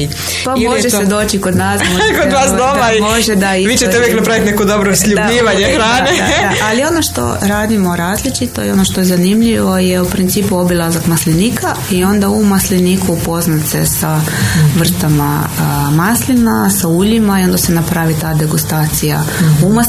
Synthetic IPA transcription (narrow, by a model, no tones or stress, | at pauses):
pamoʒessed̪o̞ːt͡ʃiko̞d̪naːsmoʒekod̪ʋaːsd̪omaimoʒed̪aiʋiːt͡ʃet̪euʋjeknapɾaʋit̪nekod̪o̞bɾosʎud̪baiːʋaɲexɾaːned̪aaalio̞no̞ʃt̪o̰ɾaːd̪imo̞ɾaːzlit͡ʃit̪o̞̰jo̞no̞ʃt̪o̞jezanimʎiʋo̞jeupɾint̪iːpuo̞bilazakmasliniːka | io̞nd̪aumaslinikuupo̞znat̪se̞saʋr̩t̪ama̰maslinasauʎimaio̞nd̪ase̞napɾaʋit̪aːd̪e̞ɡust̪aːt̪sija̰uma